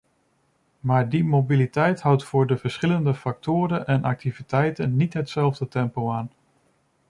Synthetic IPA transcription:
maːɹdimowbilitɛjtɦʌwtfʊːɹdəvəɹsχɪləndəfɑk̚tʊːɾənʔɛnʔɑ̰k̚tivitɛjtənːitɦətsɛlˠvdətɛmpowaːn

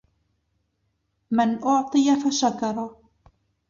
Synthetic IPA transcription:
mɪnʔʊʕt̪ˤɨjafaʃakɑɾˤɑ

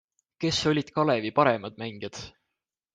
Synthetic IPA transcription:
ke̞so̞lʲid̪̥kɑle̞vipɑɾe̞mɑd̪̥mæŋɡ̥jɑd̪̥

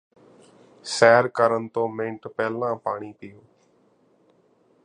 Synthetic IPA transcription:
sɛːɾkəɾənt̪õːmẽːɳʈpɛːlãːpaːɳiːpɪjoː

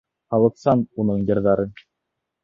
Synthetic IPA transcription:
hɑlˠɤ̆qsɑnunɤɴjɤ̆ɾðɑɾɤ

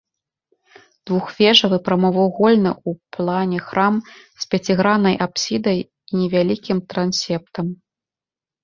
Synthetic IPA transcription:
d̪̥vuxvʲɛʐɐvɨpɾɐmɔvawɣɔlʲnɨ̰uplˠanʲɛxɾamsʲpʲat͡sʲiɣɾanɐjʔapsʲid̪ɐj | inʲɛvʲalʲikʲimt̪ɾansʲɛp̚t̪ɐm

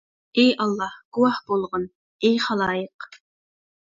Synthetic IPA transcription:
ejɑlˠːɑhɡ̥uwɑhb̥olˠʁən | ejχɑlˠɑːjəq

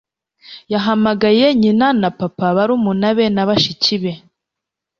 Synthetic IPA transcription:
jaɦamaɡajeɲinanapapaβaɾumunaβenaβaʃiciβe

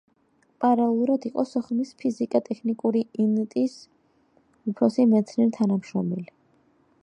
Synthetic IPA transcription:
pʼaɾalɛlˠuɾad̪iqʼɔsɔχmispʰizikʼat̪ʼɛkʰnikʼuɾiint̪ʼis | upʰɾɔsimɛt̪sʰnɛɾt̪ʰanamʃɾɔmɛli

